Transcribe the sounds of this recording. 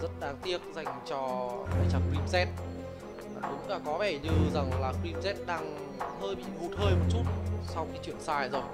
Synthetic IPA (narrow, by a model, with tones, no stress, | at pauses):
zə̰˦˥t̚ɗaː˨˧˦ŋt̪i˦˥ək̚za˨˩jŋ̟t͡ɕɔ˧ʔa̰ː˧˩jt͡ɕaː˧˩kɹi˧msɛ˦˥t̚ː | ɗʊ˨˦ŋ͡mlaː˧˩kɔ˨˦ɓɛ˧˩ɲɨ˧za˨˩ŋlaː˨˩ki˧mzɛ˦˥t̚ɗaː˧ŋ | həː˧jɓḭ˧˨ŋu˨˩t̚həː˧jmo˨˩t̚t͡ɕu˦˥t̚sa˧wkɛ˨˦t͡ɕwḭ˧˨ənsaː˧˩jzo˨˩j